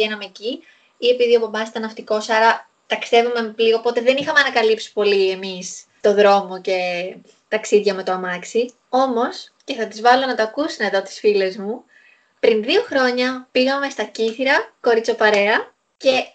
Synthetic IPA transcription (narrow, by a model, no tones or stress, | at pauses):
enɐmeci | ie̞piðiopobɐsit̪ɐnɐft̪iko̞sɐɾɐ | t̪ɐkst̪e̞vume̞liɣopo̞t̪eðe̞nixɐmeɐnɐkɐlipsi̥po̞lie̞mis | t̪o̞ðɾo̞mo̞ce̞ | t̪ɐksiðʝɐme̞t̪oɐmɐksi | o̞mo̞sce̞θɐt̪izvɐlo̞nɐt̪ɐkusineðo̞t̪i̥sfile̞zmu | pɾinðio̞xɾo̞ɲɐpiɣɐme̞st̪ɐciθiɾɐko̞ɾit͡sopɐɾe̞ɐ | ce̞